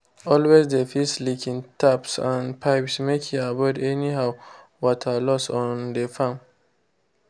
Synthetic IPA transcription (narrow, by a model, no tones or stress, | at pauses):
ɔlwezd̪efislikʰĩŋtʰapsãnpʰaɪpsmekʰĩabɔdɛnihaʊ | wɔtʰalɔstɔ̃nd̪efãm